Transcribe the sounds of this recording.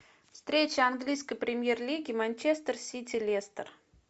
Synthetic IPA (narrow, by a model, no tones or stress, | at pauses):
fst̪ɾʲet͡ɕɪanɡlʲijskəjpɾʲɪmʲjerlʲiɡʲɪmanʲt͡ɕest̪ərsʲit̪ʲɪlʲest̪ər